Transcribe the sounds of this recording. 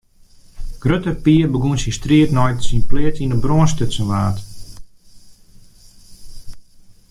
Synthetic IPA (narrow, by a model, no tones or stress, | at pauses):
ɡ̥røtəpiəbəɡunsistriətnɔjtsinplɪətinəbroənstøsənʋaːt